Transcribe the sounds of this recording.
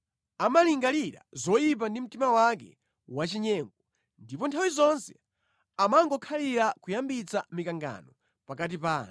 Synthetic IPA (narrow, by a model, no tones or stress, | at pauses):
amaliŋɡaliɾa̰zɔjip̬andim̩timawakɛ̰ | wat͡ʃiɲɛːŋɡɔ | ndipɔntʰawizɔnsɛ̰ | amaŋɡɔkʰaliɾakujambit͡sa̰mikaŋɡa̰nɔ | pakat̬ipaːna